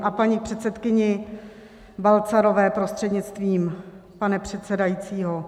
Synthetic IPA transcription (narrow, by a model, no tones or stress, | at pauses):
ʔapaɲipr̝̥ɛt̪sɛt̪kɪɲɪ | balt͡saɾo̞vɛːpɾo̞st̪r̥ɛdɲɪt͡st̪viːm | panɛpr̝̥ɛt̪t͡sɛdajit͡siːɦo